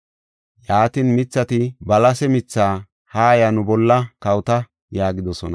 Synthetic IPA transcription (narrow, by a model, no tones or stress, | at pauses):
jaːt̪inmɪt͡sːɐt̪ɪbɐlɐsɛmɪt͡sːaː | haːjɐnʊbɔlːɐkɐwt̪ɐ | jaːɡɪd̪ɔsɔnɐ